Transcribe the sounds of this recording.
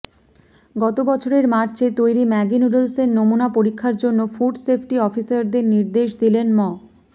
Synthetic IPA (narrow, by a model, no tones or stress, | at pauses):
ɡɔt̪obɔt͡ɕʰoɾeɾmaɾt͡ɕet̪ojɾimɛɡinuɾelsennomunapoɾikʰːaɾd͡ʑonːofuɾɖsepʰʈiɔfisaɾd̪eɾniɾd̪eʃd̪ilenmɔ